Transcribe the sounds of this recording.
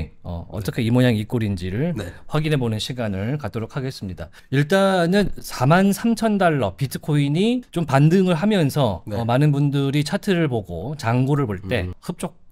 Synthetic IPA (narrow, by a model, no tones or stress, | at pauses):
ʌ̰ʌ̰t͈ʌkʰeimoɲaŋik͈oɾind͡ʑiɾɯɭnɸwaɡinɦe̞bonɯnɕʰiɡanɯɭkat͈oɾokʰaɡe̞s͈ɯmɲida̰ | iɭt͈anɯnsʰamansʰamt͡ɕʰʌndaɭːʌpitʰɯ̥kʰoiɲit͡ɕompandɯŋɯɭɦamjʌnsʰʌːmanɯnbundɯɾit͡ɕʰatʰɯɾɯɭpoɡot͡ɕaŋɡoɾɯɭboɭt͈e̞hɯp̚t͡ɕ͈ok̚